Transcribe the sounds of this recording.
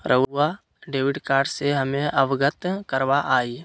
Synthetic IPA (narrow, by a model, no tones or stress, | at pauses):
ɾʔəa | ɖeːʋɪɖkaːɾɖseɦəmẽʔəʋɡət̪kəɾʋaʔaːiː